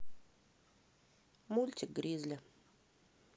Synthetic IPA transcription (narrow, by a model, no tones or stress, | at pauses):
mulʲtʲɪk̚ɡɾʲizʲlʲɪ